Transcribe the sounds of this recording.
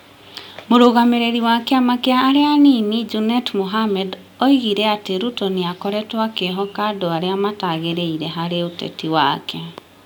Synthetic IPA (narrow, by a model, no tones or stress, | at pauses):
moɾoɣameɾeɾiwakɛamakeaːɾeaninid͡ʒunɛtmoɦamɛd | ɔiɣiɾɛateɾutoneakɔɾɛtwakeɦɔkaːdoaɾeamataɣeɾeiɾɛɦaɾeotɛ̰tiwakɛ